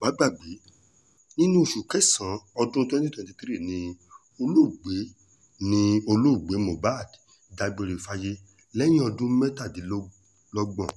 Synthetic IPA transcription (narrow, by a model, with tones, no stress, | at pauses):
ɡ͡ba˨˦ɡ͡ba˦˨ɡ͡be˨˦ | nĩ˦nũ˦˨ʃu˨kɛ˦sã˨˦ɔ˧dũ˦˧tĩ˦tɛ̃˨ti˧ti˦ɾi˦˨nĩ˧ | o˧lo˦u˨ɡ͡be˨˦ | nĩ˧o˧lo˦˨ɡ͡be˨˦mõ˨ba˦˨dda˧ɡ͡be˨˧ɾe˨fa˧je˦ | lɛ̃˦ĩ˦ɔ˧dũ˦mɛ˦ta˦˨di˨˦l | lɔ˦ɡ͡bɔ̃˦˨